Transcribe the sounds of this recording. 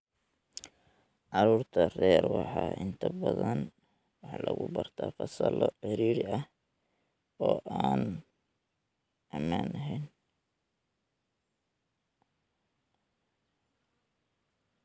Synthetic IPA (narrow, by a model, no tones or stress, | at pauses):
ʕɑɾuːrt̪ʰɐrɛːrwɑħɑːʔɪnt̪ʰɐbɐðɐn | wɑħlɐɣʊbɐrt̪ʰaːfɑsɐlɔħɛɾiːɾɪɐh | ɔːʔaːn | ʔɐmaːnɐɦɛjn